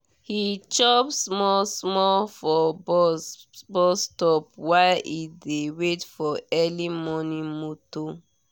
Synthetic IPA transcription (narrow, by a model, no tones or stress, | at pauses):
hit͡ʃɔpsmɔlsmɔlfɔbɔbɔstɔp̚waɪʔidewetfɔɛlimɔnĩmoto